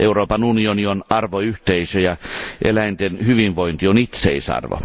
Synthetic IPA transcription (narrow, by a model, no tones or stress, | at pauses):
ʔeuroːpɑnunionionɑrʋoyht̪eisøjɑʔḛlæint̪enhyʋinʋoint̪ionit̪sḛisɑ̰rʋo̰